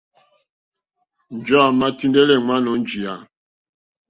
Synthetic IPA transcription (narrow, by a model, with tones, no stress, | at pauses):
n̩˨d͡ʒɔ˦a˦˨ma˦ti˦ndɛ˦lɛ˦ŋa˦nɔ˨˦n˦d͡ʒi˨a˨